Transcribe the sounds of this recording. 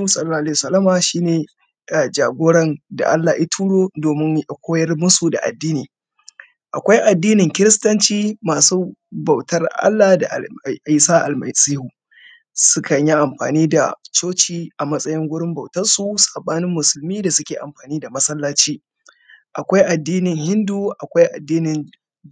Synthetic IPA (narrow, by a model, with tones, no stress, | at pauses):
u˦sɐ˦lːa˦˨ʔla˦˨sɐ˦lɐ˦maː˨ʃiː˦neː˨ | a˨d͡ʒaː˨ɡʷoː˦ɽɐ˦nda̰˨ʔa˦lːa˨ʔi˦tʰuː˦ɽoː˦doː˨mɪ˦ŋ˨kʷʰoː˦jɐ˦rmʊ˦su˨da̰˨ʔa̰˨dːiː˦niː˨ | ʔa˨kʷa˦jʔa˨dːiː˦nɪ˨ŋkʲɪ˦ɾɪ˦stɐ˦nt͡ʃiː˦maː˨suː˦bɐ˨wtɐ˦rʔa̰˦lːa˨da̰˨ʔɪ˦saː˦ʔa̰˨lmɐ̰˨siː˦hu˨ | sʊ˦kɐ˨ɲji˦ʔa˨mɸa̰ː˨niː˦da̰˨t͡ʃoː˦t͡ʃiː˦ʔa˨mɐ˦sʼɐ˦jɪ˦ŋɡʷʊ˦ɽɪ˦mbɐ˨wtɐ˦rsu˨sḁ˨ɓaː˦nɪ˦mːʊ˨sʊ˨lmiː˦da˨sʊ˦kʲeː˨ʔa̰˨mɸaː˨niː˦da˨mɐ˦sɐ˦lːaː˦t͡ʃiː˦ | ʔa˨kʷa˦jʔa˨dːiː˦nɪ˨ŋhɪ˦nduː˦ʔa˨kʷa˦jʔa̰˨dːiː˦nɪ˨n